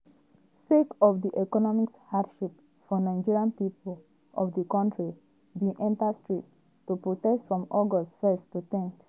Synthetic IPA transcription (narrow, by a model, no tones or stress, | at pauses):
sekɔvdiʔɛkɔnɔmikshadʃip | fɔnãɪ̃nd͡ʒiɹiãnpipl | ʔɔvdəkãntʰɹi | bĩŋʔɛ̃ntastɹit | tːupɹotɛstfɹɔ̃mɔɡɔstfɛstːuθɪ̃ŋk